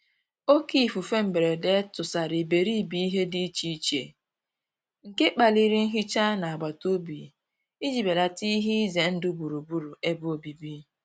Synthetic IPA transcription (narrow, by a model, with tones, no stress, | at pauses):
o˦ki˦˨fu˨fe˦m̩˨be˨ɾe˨de˦tʊ˨sa˨ɾi˨be˨ɾi˦˨bi˦i˦ɦe˦di˦t͡ʃi˦i˦t͡ʃḛ˨ | ŋ̩˨ke˦k͡pa˨li˦ɾi˦n̩˦ɦi˦t͡ʃa˦na˨a˨ɡ͡ba˨to˦bḭ˨ | i˦d͡ʒi˨be˨la˨ti˦ɦi˦i˦ze˨n̩˦dʊ˦bu˨ɾu˨bu˦ɾu˨e˦bʊ˦o˨bi˨bi˦